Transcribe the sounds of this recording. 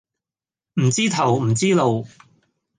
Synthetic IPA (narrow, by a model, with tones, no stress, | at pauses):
m̩˨˩t͡siː˥t̪ʰɐ˨˩wm̩˨˩t͡siː˥lo˨˧w